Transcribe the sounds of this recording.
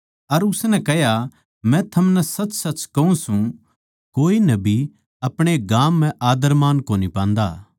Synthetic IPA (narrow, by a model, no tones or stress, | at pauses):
ɐɾʊsnɛ̃kɐɦja | mɛ̃t̪ʰɐmnɛsɐt͡ʃsɐt͡ʃkɐũsũ | koːinɐbʱi | ɐpɽ̃eɡaːmːɛ̃ʔaːd̪əɾmaːnkoːnipãːnd̪a̰ː